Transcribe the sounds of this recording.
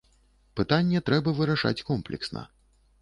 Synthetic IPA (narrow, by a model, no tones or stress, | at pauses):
pɨt̪anʲːɛt̪ɾɛbɐvɨɾaʂa̰t͡sʲkɔmplʲɛ̰ksnɐ̰